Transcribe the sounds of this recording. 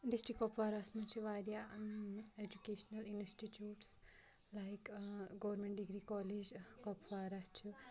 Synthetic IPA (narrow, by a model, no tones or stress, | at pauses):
ɖisʈɾikːopʋaːɾaːsmɐnt͡ʃʰuʋaːɾja | ed͡ʒukeːʃɐnɐlinsʈiʈjuːʈs | lajkɡoːʋɐɾmẽɳʈɖiɡɾiːkɔːleːd͡ʒkoːpʋaːɾat͡ʃʰu